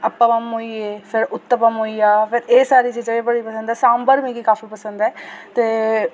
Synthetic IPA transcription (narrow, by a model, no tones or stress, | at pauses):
əpːamɐmoːieːpʰɪɾʊt̪ːəpəmɦoːiaːpʰɪɾeːsaːɾiːt͡ʃiːd͡ʒaebəɽiːpəsə̃nd̪ɛːsãːmbəɾmĩːɡikaːfiːpəsə̃nd̪ɛːt̪eː